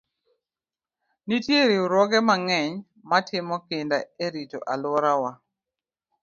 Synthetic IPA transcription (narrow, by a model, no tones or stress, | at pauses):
nitjeɾiuɾwɔɡɛmaŋɛɲ | matʰɪmɔkɪndaeɾito̰ʔalʊɔɾawa